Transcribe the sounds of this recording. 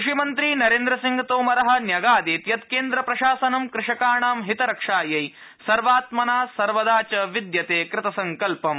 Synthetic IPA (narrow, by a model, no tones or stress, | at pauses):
ʃimɐnt̪ɾiːnɐɾeːnd̪ɾɐsiŋɡʱɐt̪oːmɐɾɐɦɐ̆njɐɡaːd̪eːt̪jɐt̪keːnd̪ɾɐpɾɐʃaːsɐnɐmkɾɪʃɐkaːɳaːmɦit̪ɐɾɐkʂaːjɐj | sɐɾʋaːt̪mɐnaːsɐɾʋɐd̪aːt͡ʃɐʋid̪jɐt̪eːkɾɪt̪ɐsɐŋkɐlpɐm